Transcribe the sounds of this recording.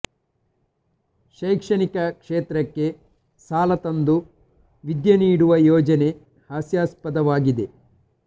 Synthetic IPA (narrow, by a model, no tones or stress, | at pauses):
ʃɐjkʂɐnikɐkʂeːt̪ɾɐkːe̞ | saːlɐt̪ɐnd̪u | ʋid̪jɐniːɽuʋɐjɔːd͡ʒɐne̞ | haːsjaːspɐd̪ɐʋaːɡid̪e̞